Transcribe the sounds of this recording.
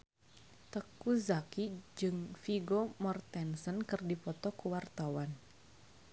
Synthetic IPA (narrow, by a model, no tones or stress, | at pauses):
t̪əkuzakid͡ʒɨŋfiɡomɔrt̪ɛnsənkɨrdipɔt̪ɔkuwart̪awan